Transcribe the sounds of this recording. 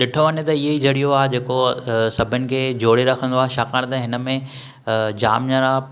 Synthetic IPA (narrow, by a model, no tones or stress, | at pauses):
ɗɪʈʰoʋɐnet̪ɐiɦeid͡ʑʱɐɽijoaːd͡ʑeːkosɐbʱənɪ̆kʰeːd͡ʑoːɽeɾɐkʰə̃nd̪oaːɦʃaːkaːɽ̃t̪ɐɦɪnəmẽ | d͡ʑa̰ːmɲaɾaː